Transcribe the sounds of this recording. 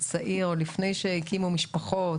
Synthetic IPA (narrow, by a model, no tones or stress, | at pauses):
t͡saʔiʁolifne̞jʃehikimumiʃpaχo